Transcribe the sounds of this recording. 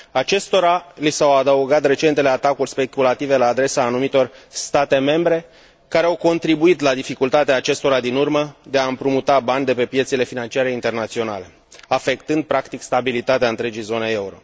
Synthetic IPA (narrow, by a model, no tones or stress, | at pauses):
at͡ʃe̞st̪o̞ɾalisawad̪əuɡat̪re̞t͡ʃe̞nt̪eleat̪akulʲspe̞kulat̪ive̞laːd̪ɾe̞saːnumit̪o̞rst̪at̪e̞me̞mbɾe̞ | kaɾeawko̞nt̪ɾibuit̪lad̪ifikult̪at̪eaːt͡ʃe̞st̪o̞ɾad̪inurməd̪eaɨmpɾumut̪abanʲd̪e̞pe̞pjesile̞finant͡ʃiaɾe̞int̪e̞rnat̪sio̞na̰le̞ | afe̞kt̪ɨnd̪̚pɾakt̪ikst̪abilit̪at̪eaɨnt̪ɾe̞d͡ʒijzo̞nee̞uɾo̞̰